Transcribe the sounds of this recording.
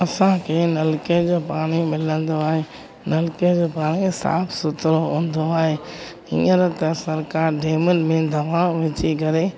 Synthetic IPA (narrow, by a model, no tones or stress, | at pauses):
ɐsãkʰeːnɐlked͡ʑoːpaːɽ̃imɪlə̃nd̪oaːɦeː | nɐlked͡ʑoːpaːɽ̃isa̰ːpʰsʊt̪ɾoɦũːn̆d̪oaːɦeː | ḭ̃ːəɾt̪ɐsɐɾkaːɾɖeːmʊnɪ̆mẽd̪ʱɐʋãʋɪt͡ɕikɐɾe